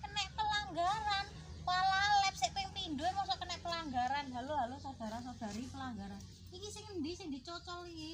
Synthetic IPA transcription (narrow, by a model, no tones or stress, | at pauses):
kənɛʔpəlaŋɡaɾan | palalɛp̚seʔpɪŋpind̪uemɔŋsɔkənɛʔpəlaŋɡaɾanɦaluɦalosod̪̥a̤ɾasod̪̥a̤ɾipəlaŋɡaɾan | ikisɪŋənɖ̪isɪŋd̪i̤t͡ʃɔt͡ʃɔlie